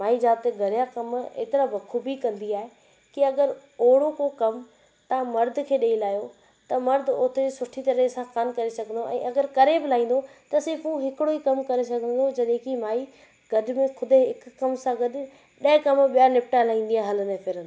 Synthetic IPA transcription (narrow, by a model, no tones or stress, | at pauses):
maːid͡ʑaːb̚t̪eɡɐɾjakɐmḛːt̪ɪɾabɐkʰubikɐ̃nd̪iaːɦe | kiɐɡəɾoːɽokokɐm | t̪ɐãmɐɾd̪ʱkʰeːɗeːilaːijo | t̪ɐmɐɾd̪ʱoːt̪ʰed͡ʑsʊʈʰit̪ɐɾəsãxankɐɾesɐɡʱə̃n̆d̪oʔɛ̰̃ːʔɐɡəɾkɐɾebɪlaːĩːn̆d̪ot̪ɐsɪfũɦɪkɪɽoikɐmkɐɾes̬ɐɡʱə̃n̆d̪od͡ʑɐɗẽkimaːi | ɡɐdmẽkʰʊd̪ɦɪkkːɐmsãɡɐd̆ | ɗɐɪ̃kɐmɓijanɪp̚ʈalaːɦĩːn̆d̪ijaɦɐlənepʰɪɾə̃nd̪o